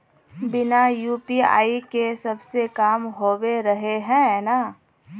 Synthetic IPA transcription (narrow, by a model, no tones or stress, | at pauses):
bɪnajuːpia̰ːikesɐbsekaːmɦoːweɾɐɦeɦɛ̃naː